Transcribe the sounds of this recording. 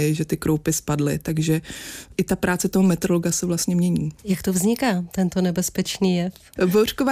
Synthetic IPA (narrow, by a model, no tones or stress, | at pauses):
ɪʒɛt̪ɪkɾowpɪspadlɪt̪aɡʒɛʔɪt̪apɾʔaːt͡sɛt̪oɦomɛt̪ɾoloɡasɛvlast̪ɲɛmɲɛɲiːjakt̪ovzɲɪkaːt̪ɛnt̪onɛbɛspɛt͡ʃniːjɛf | vor̥kova